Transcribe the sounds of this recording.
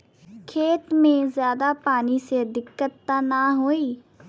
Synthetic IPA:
kʰeːt̪mẽzjaːd̪aːpaːnised̪ɪkːət̪ːaːnaɦoːiː

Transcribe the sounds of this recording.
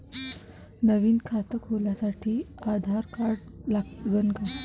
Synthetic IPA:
nəʋiːnkʰat̪əkɦoljasaʈʰiːad̪ʱaɾkaɾɖlaɡənɡa

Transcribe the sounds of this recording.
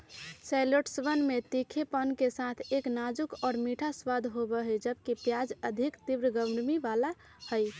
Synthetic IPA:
sɛɪloʈsʋənmet̪ikʰepənkesat̪ʰeknad͡ʒukɔːɾmiʈʰaswad̪ʱɦobɛɦəjd͡ʒəbkipjad͡ʒəd̪ʱikt̪ibɾəɡəmɾmiʋala | həj

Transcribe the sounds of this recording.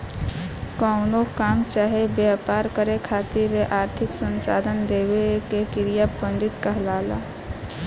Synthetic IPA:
kəʊnokaːmt͡ʃaːɦebjapaɾkəɾekʰat̪iɾeʔaːɾt̪ʰɪksənsa̰ːd̪ʱənd̪eːbekekiɾijapə̃nɖɪt̪kəɦlaːla̰

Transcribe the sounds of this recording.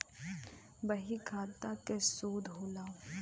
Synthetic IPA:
bɐɦikʰaːt̪akesoːd̪ɦoːlaː

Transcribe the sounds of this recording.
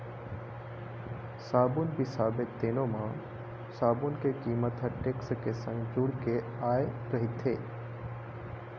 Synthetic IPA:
saːbunbisaːbɪt̪ːeːnõmã | saːbunkekiːmət̪ʰəʈekskesə̃ŋɡd͡ʒʊɽke | aːeɾɐɦit̪ʰeː

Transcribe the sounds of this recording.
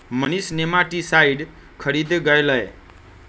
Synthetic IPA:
mənisnemaʈisaiɖ | kʰəɾid̪ɡəjləe

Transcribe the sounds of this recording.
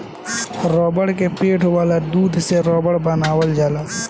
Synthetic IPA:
ɾɔːbəɽkepeːʈʰʋaːlad̪uːd̪ʱseɾɔːbəɽbənaːwəld͡ʒaːlaː

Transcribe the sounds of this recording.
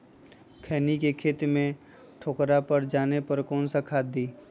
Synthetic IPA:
kʰɛːnikekʰeːt̪mẽ | ʈʰoːkɾapəɾd͡ʒaːnepəɾkɔːnsakʰaːd̪iː

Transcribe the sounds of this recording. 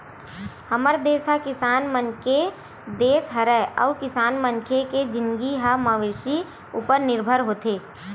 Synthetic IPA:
həməɾd̪eːsɦakɪsaːnmənke | d̪eːsɦɐɾɛə̰ʋkɪsaːnmənkʰeked͡ʒɪnɡiɦaməʋeːʃi | uːpəɾnɪɾbʱəɾɦoːt̪eː

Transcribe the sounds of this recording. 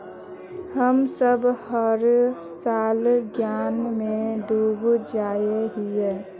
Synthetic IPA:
həmsəbhəɾ | saːlɡjaːnmẽd̪uːbd͡ʒaːjeɦije

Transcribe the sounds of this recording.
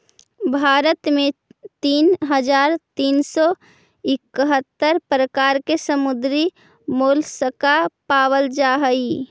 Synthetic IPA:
bʱaɾət̪met̪iːnɦəd͡ʒaɾt̪iːnsɔ | ɪkːəɦət̪ːəɾpɾəkaɾkesəmud̪ɾi | molsəkapawəld͡ʒaɦəi

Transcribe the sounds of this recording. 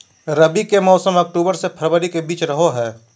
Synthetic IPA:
ɾəbikemɔːsəmək̚ʈuːbəɾsepʰəɾbəɾikebiːt͡ʃɾəɦoɦɛː

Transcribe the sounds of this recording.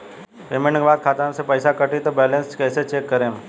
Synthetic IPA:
peːmẽɳʈkebaːd̪̚kʰaːt̪aːnsepəɪsakɐʈit̪obɛːlẽnskɛːset͡ʃeːkːɐɾẽːm

